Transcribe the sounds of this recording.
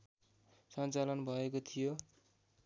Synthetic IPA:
sʌnt͡salʌnbʱʌekot̪ʰijo

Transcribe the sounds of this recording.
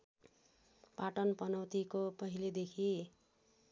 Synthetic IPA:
paʈʌnpʌnʌwt̪ikopʌɦiled̪ekʰi

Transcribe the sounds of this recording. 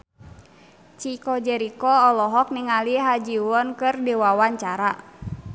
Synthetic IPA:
t͡ʃikɔd͡ʒɛɾikɔɔlɔɦɔk̚niŋaliɦad͡ʒiwɔnkɨrdiwawaɲt͡ʃaɾa

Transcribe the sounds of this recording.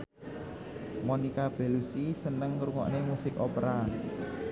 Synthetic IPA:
monikab̥e̤lusisənəŋːɾuŋɔ̰ʔnemusɪkopɾa

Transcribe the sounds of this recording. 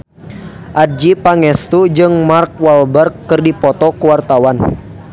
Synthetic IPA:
ʔad̚d͡ʒipaŋɛst̪ud͡ʒɨŋmark̚walbərkːɨrdipɔt̪ɔkuwart̪awan

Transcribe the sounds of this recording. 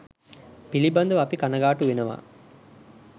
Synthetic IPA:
piliband̪ɐʋɐpikanɐɡaːʈuʋenəʋa̰ː

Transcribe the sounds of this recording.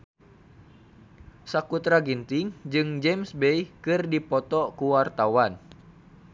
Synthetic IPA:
sakut̪ɾaɡint̪iŋd͡ʒɨŋd͡ʒɛmsbɛjkɨrdipɔt̪ɔkuwart̪awan

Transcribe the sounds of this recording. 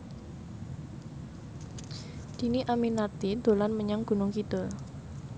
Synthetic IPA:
d̪̥i̤niʔaminat̪id̪̥o̤lanməɲaŋɡ̥ṳnʊŋkid̪ʊl

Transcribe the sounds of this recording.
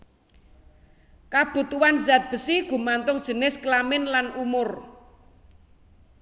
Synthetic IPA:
kab̥ṳt̪uwanzat̪̚b̥ə̤siɡ̥ṳmant̪ʊŋd̥ʒ̥ə̤nɪsklamɪnlanʔumʊr

